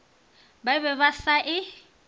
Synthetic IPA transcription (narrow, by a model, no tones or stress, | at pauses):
baɪβɛβasaʔɪ